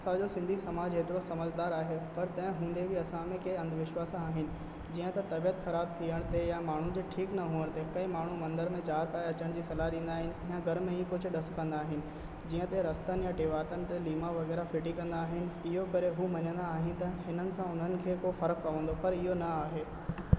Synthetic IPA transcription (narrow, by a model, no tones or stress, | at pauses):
sad͡ʑosɪ̃nd̪ʱisɐmaːd͡ʑɦeːt̪ɪɾosɐməd͡ʑd̪aːɾaːɦepɐɾt̪ɐ̃ɦɪ̃ɦũːnd̪ebʱɪɐsãmẽkeːɐ̃nd̪ʱʋɪʃwaːsãaːɦɪnɪ̆ | d͡ʑiːə̃t̪ɐt̪ɐbijət̪xɐɾaːb̚t̪ʰiəɽ̃t̪ejamaːɳ̤ud͡ʑeːʈʰiːknɐɦuːəɽ̃t̪ekɐĩmaːɳ̤umɐ̃nd̪əɾmẽt͡ɕaːɾpaːjɐt͡ɕəɽ̃d͡ʑiːsɐlaɗĩːn̆d̪aːɦɪnɪ̆jãɡʱɐɾmẽiːkʊd͡ʑʱʊ̆ɗɐskɐ̃nd̪aːɦɪnɪ̆ | d͡ʑiːə̃t̪eɾɐst̪ənɪjaʈeːʋaːt̪ənɪ̆t̪eliːmaʋɐɣɛːɾafɪʈikɐ̃nd̪aːɦɪnɪ̆ɪɦokɐɾeɦuːmɐɲə̃nd̪aːɦɪnɪ̆t̪ɐɦɪnənɪ̆sãʊn̤ənɪ̆kʰeːkofɐɾək̚pɐʋə̃nd̪opɐɾɪɦonɐaːɦeː